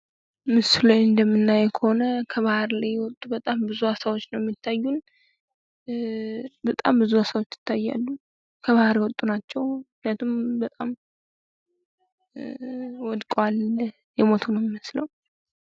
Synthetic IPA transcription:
mɨslojɨnd̪əmːɨnːajɛkʰəho̞nəkʰəβahɾlajːwɔt̪ʼubət̪ʼambɨzuasawot͡ʃːnəwjɛmːit̪ʰːajːun | bət̪ʼa̰mbɨzuasawo̞t͡ʃːɪ̥t̪ʰːajːa̰lːu | kʰəβahɾjwɔt̪ʼːunat͡ʃːɛwmɨhnjat̪ʰumbət̪ʼam | wɔd̪kʼwal | jɛmo̞t̪ʰunəwmjɪməsləw

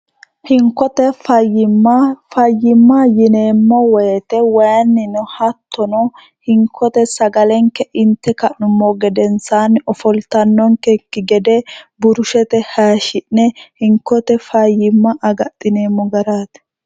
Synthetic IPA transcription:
hɪŋkːɔt̪ɛfɐjːɪmːɐfɐjːɪmːɐjɪne̞ːmːɔwɔjɛt̪ɛwɐjnːɪnʊhɐt̪ːɔnɔ | hɪŋkʰːɔt̪ɛsɐɡɐlɛŋkːɛʔɪnt̪ːɛkɐʔʊmːɔɡɛd̪ɛnsaːnɔfɔlt̪ɐnːɔŋkɛkːɪɡɛd̪ɛbʊɾʊʃɛt̪ɛhaːʃɪʔnɛhɪŋkːɔt̪ɛfɐjɪmːɐʔɐɡɐt̪ʼːɪne̞ːmːɔɡɐɾaːt̪

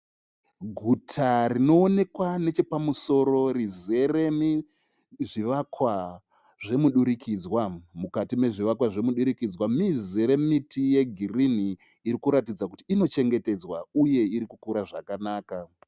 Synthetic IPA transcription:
ɡʱutʰarino̞ːne̞kwane̞t͡ʃe̞pamuso̞ɾo̞rize̞remi | ʐiʋakwa | ʐe̞muɗuɾikʰid͡zwamukatime̞ʐiʋakwaʐe̞muɗuɾikid͡zwamizeɾe̞mitʰije̞ɡʱiriniː | ɾikuɾatid͡zakutiːno̞t͡ʃe̞ŋɡe̞te̞d͡zwauje̞iɾikukuɾaʐakanaːka

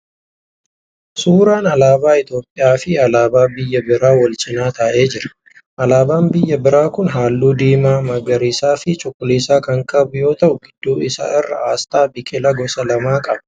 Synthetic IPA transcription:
suːɾaːnɐlaːbaːɪt̪jo̞ːpʼːɪjaːfɪɐlaːbaːbɪjːɐbɪɾaːwɔlt͡ʃɪnaːt̪ɐːʔe̞ːd͡ʒɪɾɐ̥ | ʔɐlaːbaːmbɪjːɐbɪɾaːkʊnɦaːlːuːd̪iːmaːmɐɡɐɾiːsaːfɪt͡ʃʼʊkʼːʊliːsaːkɐŋkʼɐbʊjo̞ːt̪ɐʔʊɡɪd̪̥ːuːɪsa̰ːɪrːɐ̰aːst̪aːbɪkʼɪlɐɡɔsɐlɐmaːkʼɐb

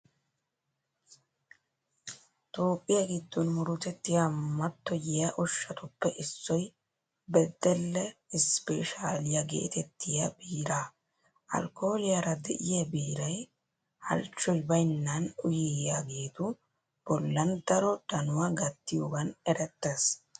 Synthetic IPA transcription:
t̪o̞ːkʼːɪjaɡɪd̪ːɔnmʊɾʊt̪ɛt̪ːɪjamɐt̪ːɔjɪjaʔɔʃːɐt̪ʊpːɛʔɪsːɔj | bɛd̪ːɛlːɛɪspɛʃaːlɪjaɡe̞̰ːt̪ɛt̪ːɪjabiːɾaː | ʔɐ̰lkoːlɪjaɾɐd̪ɛʔɪjɐbiːɾɐj | hɐ̰lt͡ʃːɔjbɐjnːɐnʊjɪjaːɡeːt̪ʊ | b̥ɔlːɐnd̪ɐɾɔd̪̥ɐnʊwaɡɐt̪ːɪjoɡɐnɛɾɛt̪ːes

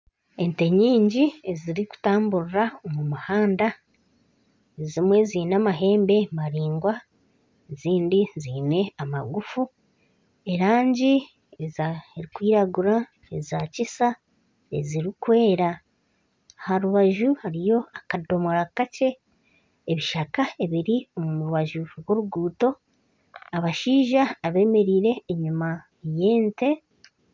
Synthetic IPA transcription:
e̞nte̞ɲiːɲɟieziɾiku̥taːmbuɾuɾaomumuhaːnda | ezimwe̞ziːnamaɦe̞ːmbe̞maɾiːŋɡwa | eziːndiziːne̞ama̰ɡufu | e̞ɾaːɲɟi | ezeɾikwiːɾaɡuɾa | ezacisa | eziɾikwe̞ːɾa | ahaɾuβaʒuhaɾijo̞akado̞moɾakace̞ | eβiʃakae̞βiɾio̞muuɾuβaʒuɾwo̞ɾuɡuːto̞ | aβaʃiːʒaːβe̞ːme̞ɾiːɾe̞ːɲuma | je̞ːnte̞

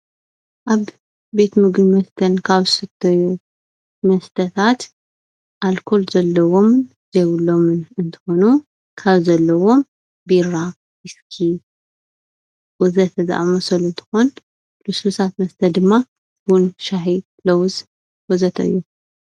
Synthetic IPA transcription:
ʔaβː | e̞t̪mɨɡɨnmɐst̪ʰɐnkʰaβsɨt̪ʰːɐju | mɐst̪ʰɐt̪ʰat̪ | ʔalkʰo̞lzɐlːɐwo̞m | zejwulːo̞mɨnɨnt̪ʰɨ̥xo̞nu | kʰaβzɐlːɐwo̞m | biɾa | wiskʰi | wɔzɐt̪za̰ʔmɐsɐlunt̪ʰɨ̥xon | lususat̪̚mɐst̪ʰɐd̪ɨmːa | bunʃaħi | lɐwz | wɔzɐt̪ʰɨ̰jːu

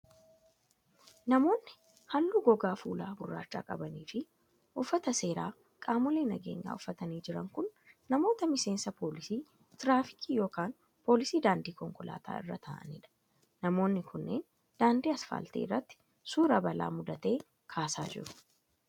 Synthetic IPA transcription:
nɐmo̞ːnːɪ | hɐlːuːɡɔɡaːfuːlaːɡʊrːa̰ːt͡ʃːa̰ːkʼɐbɐniːfɪ | ʔʊfːɐt̪ɐse̞ːɾaː | kʼaːmɔleːnɐɡe̞̰ːɲːa̰ːʊfːɐt̪ɐniːd͡ʒɪɾɐŋkʊnːɐmo̞ːt̪ɐmɪse̞ːnsɐpʰo̞ːlɪsiː | t̪ɪɾaːfɪ̥kʰiːjo̞ːkaːn | po̞ːlɪsiːd̪aːnd̪iːkɔŋkʊla̰ːt̪a̰ːɪ̰rːɐ̰t̪ʰaːʔɐ̰nɪ̰ᶑɐ̥ | nɐmo̞ːnːɪkʰʊnːḛːn | d̪̥aːnd̪iːɐsfa̰ːlt̪e̞̰ːɪrːɐt̪ːɪ̥ | suːɾɐbɐla̰ːmʊd̪ɐt̪e̞ː | kʰaːsaːd͡ʒɪ̰ɾʊ̥

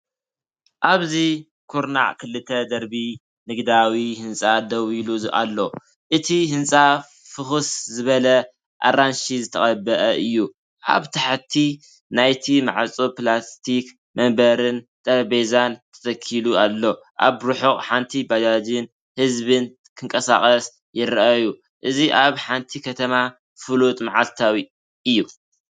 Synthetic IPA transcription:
ʔaβzi | kʰuɾna̰ʕkʰɨlːɨt̪ʰɐd̪ɐɾbi | nɨɡd̪awihɨnsʼad̪ɐwiluzʔa̰lːo | ʔɨt̪ʰihɨnsʼa | fɨxɨszɨβɐlɐ | ʔa̰ɾanʃizɨt̪ʰɐχʼɐbːɐʔɐʔɨjːu | ʔa̰βt̪ʰaħt̪ʰːi | najt̪ʰima̰ʕalt͡sʼoplast̪ʰik | mɐmbɐɾɨn | t̪ʼɐɾbezant̪ʰɐ̥t̪ʰɐkʰːilualːo̞ | ʔa̰βɾuħuχʼħant̪ʰibad͡ʒad͡ʒɪn | hɨzβɨn | kʰɨŋkʼɐsa̰χʼɐs | jɪɾʔaju | ʔɨziʔaβħant̪ʰikʰɐt̪ʰɐma | fɨlut̪ʼmaʕalt̪ʰawi | ʔɨjːu

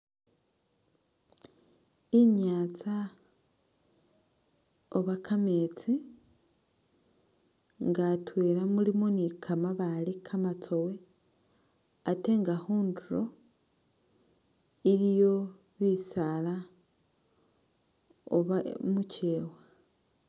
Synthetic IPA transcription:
iɲaːt͡sa | oβakʰame̞t͡si | ŋɡatwe̞ːɾamulimonikʰamaβalikʰamat͡so̞we̞ | ate̞ŋɡaxuːnduɾo̞ | iɾijo̞ | βisala | o̰βamuce̞ːwa

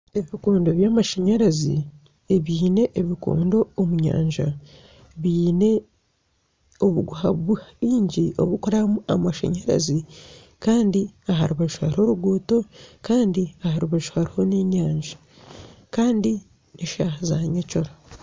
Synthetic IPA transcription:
e̞βikoːndo̞βjaːmaʃaɲeɾazḭ | eβiːne̞ʔːβiko̰ːndo̞ːmuɲa̰ːɲʒa | βiːne̞ | o̞βuɡuhaβuβiːɲɟio̞̰βukoɾamuamaʃa̰ɲeɾa̰zi | kaːndiaɦaɾuβaʒu̥haɾiho̞ɾuɡuːto̞kaːndiahaɾuβaʒu̥haɾiho̞neɲaːɲʒḁ | kaːndi | niʃahazaɲeco̞ɾa

